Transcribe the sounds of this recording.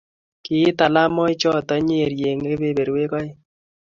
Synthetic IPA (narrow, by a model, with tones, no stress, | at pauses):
kɪ˨˦t̪a˨la˦mɔ˦ɪ˦t͡ʃɔ˦t̪ɔ˦ɲe˦˨ɾje˨ŋe˦be˦˨be˨ɾwe˦kɔ˦ɪ˦